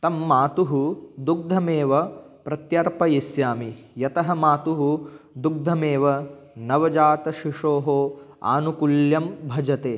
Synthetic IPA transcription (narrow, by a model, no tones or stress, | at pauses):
t̪ɐmːaːt̪uɦud̪uɡ̚d̪ʱɐmeːʋɐpɾɐt̪jɐɾpɐjisjaːmijɐt̪ɐɦɐmaːt̪uɦud̪uɡ̚d̪ʱɐmeːʋɐnɐʋɐd͡ʒaːt̪ɐʃiʂoːɦoːa̰ːnukuljɐmbʱɐd͡ʒɐt̪eː